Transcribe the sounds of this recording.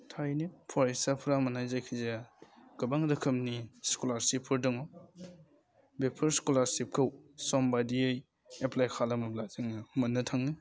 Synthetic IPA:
tʰajnipʰɔɾisapʰɾamɐnajzakʰizeɡ̥ɐbaŋdɯkʰɯmniskolaɾsipʰɯɾdɯŋɔ | bepʰɯɾskolaɾsip̚kʰɯwsɔmbadiɯj | eplajkʰalamɐblazeŋɯmɐnːɯtʰaŋni

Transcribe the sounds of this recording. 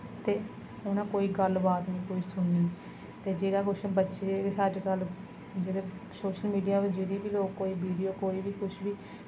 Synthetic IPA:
t̪eː | ʊnãːkoːiːɡəlbaːt̪nĩːkoːiːsʊɳniː | t̪eːd͡ʒeːɾaːkʊt͡ʃbətːʃeːsəd͡ʒɡəl | d͡ʒeːɽeːsoːʃəlmiːɖijaːʋed͡ʒeːɾiːbiːloːkkoːiːbiːɖijoːkoːiːbiːkʰʊʃbiː

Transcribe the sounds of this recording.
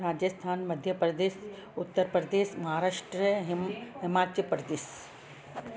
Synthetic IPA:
ɾaːd͡ʑəst̪ʰaːnmɐd̪ʱjəpɾɐd̪eːs | ʊt̪ːəɾpɾəd̪eːsmɐɦaːɾaːʂʈɾəɦɦɪmaːt͡ɕjəpɾəd̪eːs

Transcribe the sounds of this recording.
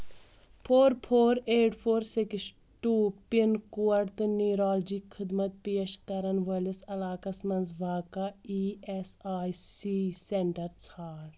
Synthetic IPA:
pʰoːɾpʰoːɾeːʈpʰoːɾsiks | ʈuːpinkuɐɽt̪ɨniːɾaːld͡ʒikxʰɪd̪mɐt̪̚peːʃkɐɾɐnʋɐlisɐlaːkɐsmɐnzʋʱaːkaiːesaːjsiːseɳʈɐɾt͡sʰaːɾ

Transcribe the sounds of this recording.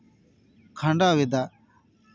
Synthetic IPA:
kʰãɳɖaːʋed̪aː

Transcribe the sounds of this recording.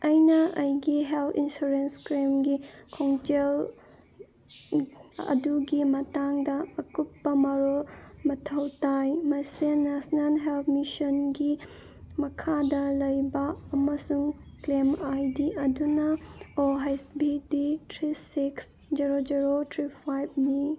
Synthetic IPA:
ɐjnɐʔɐjɡiɦelpʰinsuɾenskɾemɡikʰoŋd͡ʒel | ɐ̰duɡimɐtaŋdɐɐkut̚pɐmɐɾolmɐtʰɐwtajmɐsenesnalɦelpʰmisonɡi | mɐkʰadɐlɐjbɐːmɐsuŋklemajdiʔɐdunɐoɦajsbiditɾisiks | d͡ʒiɾod͡ʒiɾotʰɾipʰajb̚ni

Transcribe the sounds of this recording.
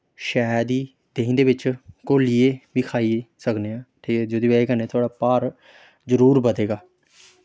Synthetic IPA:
ʃaːd̪iː | d̪eːĩːnd̪eːbɪt͡ʃkoːlieːʋiːkʰaːiːsəkneːãːʈʰiːd͡ʒod̪iːeeːkəneːt̪ʰʊaːɖaːpaːɾ | zəɾuːɾbəd̪eːɡaː

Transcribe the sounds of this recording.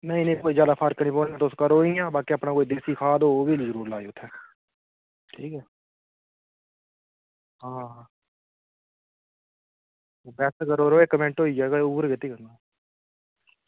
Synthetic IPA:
nəĩːnə̃ĩːkoːiːd͡ʒjaːd̪aːpʰaɾkniːpoːnːãːt̪oʊskaɾoːijãːbaːkiəpnaːkoːid̪eːsiːkʰaːd̪oːbiːliːzəɾuːɾlaːeʊt̪ʰːɛː | ʈʰiːkɛː | ɦãː | oːbɛːsɡəɾoːɾoːeːkəmẽɳʈɦoːid͡ʒɛːɡaʊbəɾkɪt̪ːiːkəɾna

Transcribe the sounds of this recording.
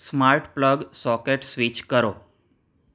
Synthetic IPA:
smaɾʈpləɡsɔkeʈsʋit͡ʃkəɾo

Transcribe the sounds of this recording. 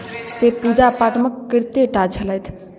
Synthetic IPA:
sepud͡ʒapaʈməkːiɾt̪eʈat͡ʃʰələjt̪ʰ

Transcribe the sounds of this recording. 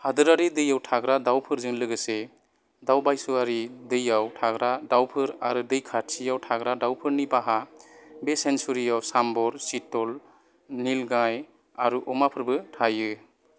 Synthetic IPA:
hadɯɾaɾidɯjawtʰaɡɾadawpʰɯɾzɯŋlɯɡɯse | dawbajsuaɾidɯjawtʰaɡɾadawpʰɯɾaɾudɯjkʰatsijawtʰaɡɾadawpʰɯɾnibaɦabesensuɾijawsambɔɾsitɔl | nilɡaj | aɾuʔɔmapʰɯɾbɯtʰajɯ

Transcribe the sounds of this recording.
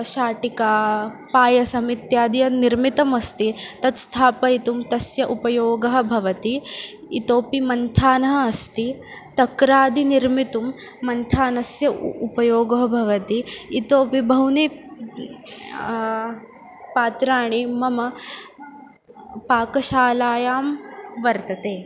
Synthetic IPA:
ʃaːʈikaː | paːjɐsɐmit̪jaːd̪ijɐniɾmit̪ɐmɐst̪it̪ɐt̪st̪ʰaːpɐit̪umt̪ɐsjɐʔupɐjoːɡɐɦɐ̆bʱɐʋɐt̪iː | t̪oːpimɐnt̪ʰaːnɐɦɐːst̪i | t̪ɐkɾaːd̪iniɾmit̪umːɐnt̪ʰaːnɐsjɐupɐjoːɡɐɦɐbʱɐʋɐt̪iːt̪oːpibʱɐwni | paːt̪ɾaːɳimɐmɐ | paːkɐʃaːlaːjaːmʋɐɾt̪ɐt̪eː

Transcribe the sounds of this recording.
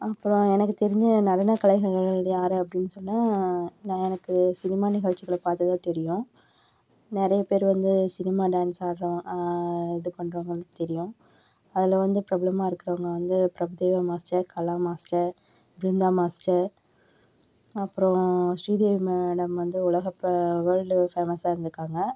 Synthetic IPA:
ɐpːɯɾõɛnɐkːɯt̪ɛɾɪ̃ɲd͡ʒɯnɐɾɐnɐkɐlɐɪɣɐɾɣɐɭɐɭjaːɾɯɐpːɐɽɪnːɯsɔnːãːnãːɛnɐkːɯsɪnɪmaːnɪɣɐɭt͡ʃːɪɣɐɭɐpaːɾt̪ɐt̪ãːt̪ɛɾɪjʊ̃ | nɛɾɐjɐpeːɾʋɐnd̪ɯsɪnɪmaːɖaːnsaːɾõ | ɛðɯpɐɳɾoːŋɡɐɭt̪ɛɾɪjʊ̃ | ɐðɪlʋɐnd̪ɯpɾɐblɐmaːɪɾɯkːɪɾɐʋɐŋɡɐʋɐnd̪ɯpɾɐbɯðeːʋɐmaːsʈɐɾkɐlaːmaːsʈɐɾ | bɾɪnd̪aːmaːsʈɐɾ | ɐpːɯɾõʂɾiːd̪eːʋimeɖɐmʋɐnd̪ɯʊɭɐɣɐpʋɐːɻɖfeːmɐsaːɪɾɯnd̪ɾɯkːaːŋɡɐ

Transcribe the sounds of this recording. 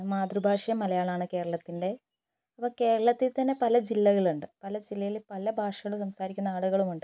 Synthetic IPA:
maːd̪rubʱaːʂɐjɐmɐlɐjaːɭaːɳɨke̞ːɾɐɭɐt̪ːinde̞ | ɐpːɐke̞ːɾɐɭɐt̪ːilt̪ɐnːe̞pɐlɐd͡ʑilːɐɣɐɭuɳɖɨpɐlɐd͡ʑilːɐjilpɐlɐbʱaːʂɐɣɐɭusɐmsaːɾikʲːunːɐaːɭuɣɐɭumuɳɖɨ

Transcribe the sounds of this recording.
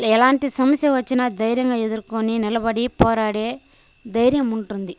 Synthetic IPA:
ɛlaːnt̪isɐmɐsjɐʋɐt͡ʃːɐnɐd̪ɐjɾjɐŋɡɐɛðɯɾkoninɛlɐbɐɽipoːɾaːɽe | d̪ɐjɾjɐmuɳʈund̪i

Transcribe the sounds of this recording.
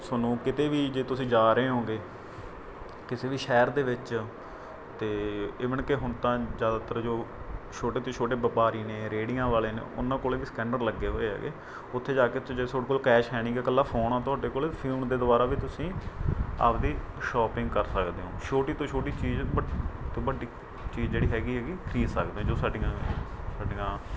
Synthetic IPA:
sʊnũːkɪt̪eːʋiːd͡ʒeːt̪ʊsĩːd͡ʒaːɾəeːɦõːɡeː | kɪseːʋiːʃɛːɾd̪eːʋɪt͡ʃ | t̪eːɪːʋəɳkeːɦʊnt̪ãːzjaːd̪aːt̪əɾd͡ʒoːt͡ʃʰoːʈeːt̪õːt͡ʃʰoːʈeːbəpaːɾiːnẽːɾeːɽĩãːʋaːleːnḛːʔʊ̰nːãːkoːleːʋiːsə̥kɛ̃ːɳɖəɾləɡːeːɦoːeːɦɛ̰ːɡḛː | ʊt̪ʰːeːd͡ʒaːkeːd͡ʒesoːɽkoːlkɛːʃɦɛːɽ̃iːkekəlːaːpʰoːnãːt̪ʊaːɖeːkoːleːt̪ːpʰɪlmd̪eːd̪ʊʋaːɾaːʋiːt̪ʊsĩː | ə̰ːpd̪iː | ʃɔːpɪ̃ŋɡkəɾsəkd̪eːɦõːʃʰoːʈiːt̪õːt͡ʃʰoːʈiːt͡ʃiːd͡ʒbət̪ebəɖiː | t͡ʃiːzd͡ʒeːɽiːɦɛːɡiːɦɛːɡiːkʰɾiːsəkd̪eõːd͡ʒoːsaːɖiãː | saːɖiːãː

